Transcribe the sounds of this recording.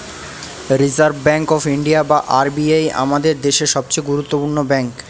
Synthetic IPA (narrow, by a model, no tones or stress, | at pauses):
ɾid͡ʑaɾbbɛŋkɔfiɳɖiabaʔaɾbiaja̰mad̪eɾd̪eʃeʃɔb̚t͡ɕejɡuɾut̪ːopuɾnobɛŋk